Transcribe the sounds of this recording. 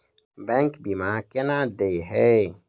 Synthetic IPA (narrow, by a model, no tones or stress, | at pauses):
bɛ̃ŋkbimakenãd̪eiɦɛ